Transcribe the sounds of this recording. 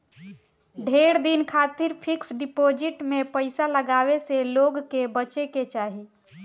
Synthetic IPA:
ɖʱeɽd̪inkʰat̪iɾpʰiksɖipod͡ʒiʈmepəɪsaləɡaʋeseloɡkebət͡ʃeket͡ʃaɦi

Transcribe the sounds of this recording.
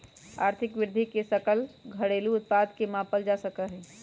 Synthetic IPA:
a̰ːɾt̪ʰɪkʋɪɾd̪ʱikesəkəlɡʱəɽeluʊt̪̚pad̪ʱkemapəld͡ʒasəkəɦɛ̃

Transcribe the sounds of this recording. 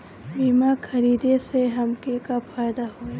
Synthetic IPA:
biːmakʰɐɾiːd̪eseɦɐmkekafʰaːjd̪aɦoe

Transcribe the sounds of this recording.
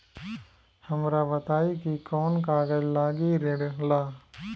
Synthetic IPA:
hɐmɾabɐt̪aːikikɔːnkaːɡəd͡ʒlaːɡiɾeɽlaː

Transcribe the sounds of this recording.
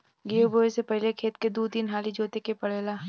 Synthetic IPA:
ɡioboːisepɛɦlekʰeːt̪̚ked̪uːt̪iːnɦaːlid͡ʒoːt̪ekepɐɽ̤eːlaː

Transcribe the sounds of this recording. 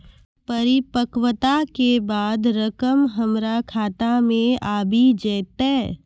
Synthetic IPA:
pəɾɪpəkwət̪akebaːd̪ɾəkəmɦɐmɾakʰaːt̪amẽaːbʱid͡ʒɛːt̪eː

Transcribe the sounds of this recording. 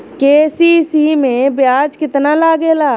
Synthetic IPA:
keːsisimẽbjaːd͡ʒkɪt̪nalaːɡeːlaː

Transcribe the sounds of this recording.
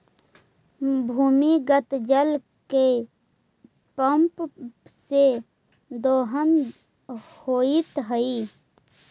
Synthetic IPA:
bʱuːmiɡət̪d͡ʒəl | ke | pəmpse | d̪oːɦən | hoːit̪ɦəi

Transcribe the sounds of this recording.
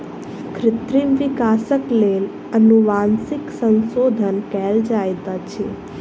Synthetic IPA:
kʰɾɪt̪ɾimʋikasəklel | ənuʋansiksənsod̪ʱənkɛld͡ʒajt̪at͡ʃʰe

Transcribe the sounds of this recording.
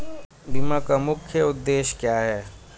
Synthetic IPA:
bimakamʊkʰjəʊd̪ːeːʃkjaːɦɛː

